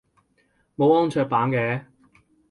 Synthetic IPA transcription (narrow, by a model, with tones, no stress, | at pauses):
mo˨˧wɔː˥ŋt͡ʃʰœː˧k̚paː˨˥nkɛː˨˧